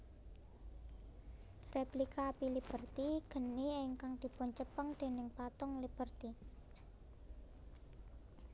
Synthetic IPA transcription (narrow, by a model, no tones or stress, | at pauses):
replikapilib̥ə̤rt̪iɡ̥ə̤niɪŋkaŋd̪̥i̤pʊnt͡ʃəpəŋd̪̥e̤nɪŋpat̪ʊŋlib̥ərt̪i